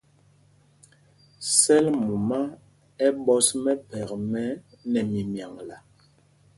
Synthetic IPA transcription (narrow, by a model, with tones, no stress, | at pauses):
sɛ˦lmu˨ma˦ | ɛ˦bɔ˦smɛ˦pɛ˨kmɛ˦ | nɛ˨mi˨mja˨ŋla˨